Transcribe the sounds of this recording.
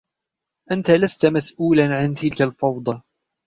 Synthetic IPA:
ʔant̪alast̪amasʔuːlanʕant̪ɪlkalfɑwd̪ˤɑ

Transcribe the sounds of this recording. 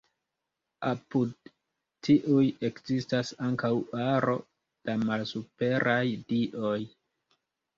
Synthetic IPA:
apud̚ | tiʔuje̞kzistasaŋkawaɾo̞̰ | d̥amalsupe̞ɾʔajdiʔo̞j

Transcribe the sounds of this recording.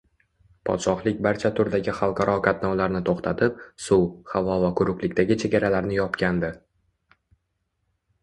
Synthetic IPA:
pʰɒ̰t̪ʃɒχlˠɪkʲbaɾt͡ʃʰat̪ʰʊɾd̪aɡʲɪχalˠqʰɑɾʔɒkʰat̪nɒwlaɾnɪt̪ʰoχt̪ʰat̪ʰɪp̚sʊwhavɒvakʰʊɾʊkʲlɪkʲt̪aɡʲɪt͡ʃʰe̞ɡʲaɾalaɾnɪjɒpkʲʰand̪ɪ

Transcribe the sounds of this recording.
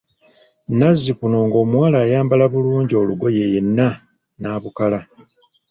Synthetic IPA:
nazːipunoːŋɡo̞ːmwaːlaːjaːmbalaβuluːɲɟio̞luɡo̞je̞je̞nːa | naːβukala

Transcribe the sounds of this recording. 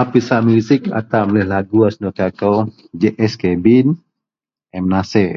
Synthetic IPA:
apisaʔmusɪka̰t̪amlɛhlaɡuasnok̪akow | d͡ʒeʔɛskɛbin | ɛmnasɛ

